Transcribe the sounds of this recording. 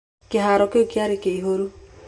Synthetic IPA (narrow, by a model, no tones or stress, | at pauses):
keɦaɾɔkeoɡiaɾikeiɦoɾu